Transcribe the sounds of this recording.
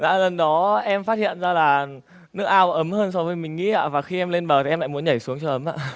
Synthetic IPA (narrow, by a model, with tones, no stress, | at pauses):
la̰ː˧˨˩lə˨˩nɗɔ˨˦ʔɛ˧mfaː˦˥t̚hḭ˧˨ənzaː˧laː˨˩ | nɨ˦˥ək̚ʔaː˧wʔə˨˦mhəː˧nsɔ˨˧˦vəː˨˦jmï˨˩ŋ̟ːḭ˧˥ʔa̰ː˧˥vaː˨˩xi˧ʔɛ˧mle˧nɓəː˨˩˨ɛ˧mla̰ː˧˨mu˨˦ənɲə˧˩jsu˨˦əŋt͡ɕɔ˧ʔə˨˦mʔa̰ː˧˨